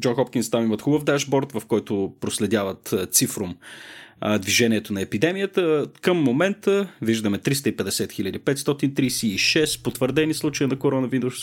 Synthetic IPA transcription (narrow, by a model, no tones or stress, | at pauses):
d͡ʒɔnxɔpkʲinst̪amimət̪xubəvd̪aʒbɔɾt̪vəfkɔjt̪ʊpɾoslɛd̪javət̪t̪sifɾʊm | d̪viʒɛniɛt̪onɐɛpid̪ɛmijət̪əkəmːomɛnt̪əviʒd̪əmɛt̪ɾist̪əipɛd̪ɛsɛt̪xilʲəd̪ipɛt̪st̪ɔt̪int̪ɾijsiːʃɛspot̪vəɾd̪ɛnislˠut͡ʃəjinɐkoɾɔnɐvinus